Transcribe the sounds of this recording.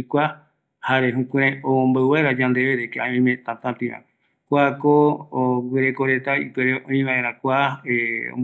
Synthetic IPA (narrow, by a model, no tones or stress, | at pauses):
kʷa | haɾeɦũkʷẽɾ̃ãoõmbawaɾad͡ʒãnd̪eβeɾekeãmĩmẽt̪ãt̪ãt̪ĩã̰ | kʷakooɡʷweɾekoɾe̞t̪aḭpeɾeʔõĩʋãʔẽɾ̃ãkʷaeo̰m